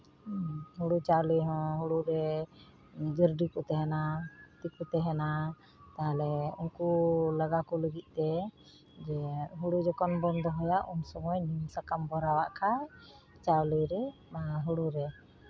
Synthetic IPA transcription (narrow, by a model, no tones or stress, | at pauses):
ɦuɽut͡ʃawliɦɔ̃ɦuɽuɾɛ | d͡ʒəɾɖikɔt̪ɛɦɛnat̪ikut̪ɛɦɛna | t̪aɦalɛunkulaɡakɔləɡit̪̚ˀt̪ɛ | d͡ʒɛɦuɽud͡ʒɔkɔnbɔnd̪ɔɦɔjaʔunsɔŋɔjnimsakambɔɾawaʔkʰa | t͡ʃawliɾɛ | aɦuɽuɾɛ